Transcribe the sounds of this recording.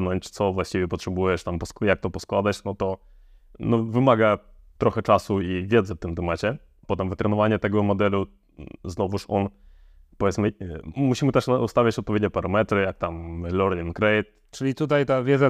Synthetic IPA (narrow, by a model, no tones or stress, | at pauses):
nɔɲt͡ɕt̪sɔvwaɕt͡ɕivʲɛpɔtʂɛbujɛʂt̪ampɔsjak̚t̪ɔpɔskwad̪aɕnɔt̪ɔ | nɔvɘmaɡat̪ɾɔxɛt͡ʂasuivʲjɛd̪zɛft̪ɘmt̪ɛmat͡ɕɛ | pɔt̪ɛmvɘt̪ɾɛnɔvaɲɛt̪ɛɡɔmɔd̪ɛlu | znɔvuʂɔn | pɔvʲjɛt̪smɘmuɕimɘt̪ɛʂust̪avʲat͡ɕɔt̪̚pɔvʲjedɲɛpaɾamɛt̪ɾɘjak̚t̪amlɔɾinkɾɛjt̪ | t͡ʂɘlʲit̪ut̪̬ajt̪avʲjɛd̪za